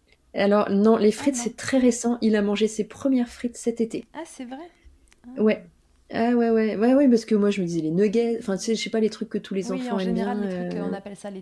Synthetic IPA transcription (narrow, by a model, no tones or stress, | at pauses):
alɔʁnɔ̃lefχit̪sɛt̪χɛʁesɑ̃ʔilamɑ̃ʒesepχəmjɛʁfχit̪sɛt̪et̪eɛ | wɛ | awɛwɛwɛwɛp̬asə̥kəmwaʒəməd̪izɛlenøɡɛzɑ̃fɛ̃t̪y̥sɛʒʃɛpalet̪χykːət̪ʰulezɑ̃fɑ̃ɛmbjɛ̃ø̃